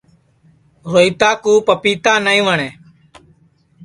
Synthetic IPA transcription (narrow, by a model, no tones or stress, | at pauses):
ɦoːiːt̪aːkuːpəpiːt̪ãːnaːĩːʋəɳeː